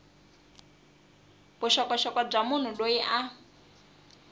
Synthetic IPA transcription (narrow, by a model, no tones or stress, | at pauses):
bʊʃɔkɔʃɔkab͡ʐamʊn̤ʊɗoiʔa